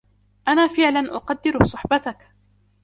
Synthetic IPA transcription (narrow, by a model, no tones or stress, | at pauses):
ʔanaːfɪʕlanʔʊqɑd̪ːɪɾsˤʊħbat̪ak